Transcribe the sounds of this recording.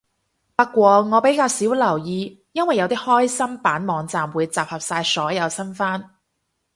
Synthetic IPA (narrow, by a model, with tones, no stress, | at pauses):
pɐ˥kːʷɔː˧ŋɔː˨˧pe˨˥jkaː˧wsiː˨˥wlɐ˨˩wjiː˧ | jɐ˥nwɐ˨jːɐ˨˧wt̪iː˥hɔː˥jsɐ˥mpaː˨˥nmɔː˨˧ŋt͡saː˨mwuː˨˧jt͡saː˨˩p̚hɐ˨p̚saː˧jsɔː˨˥jɐ˨˧wsɐ˥nfaː˥n